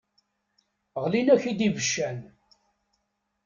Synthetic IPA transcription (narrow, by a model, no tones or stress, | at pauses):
ʁlinæçid̪ivəʃːæn